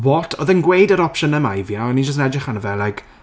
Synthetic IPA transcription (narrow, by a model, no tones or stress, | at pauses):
wɔtʰɔðənɡwejdəɾɔpʃənəmajvjaɔnid͡ʒəs̬nɛd͡ʒɪχanəvɛlˠajkʰ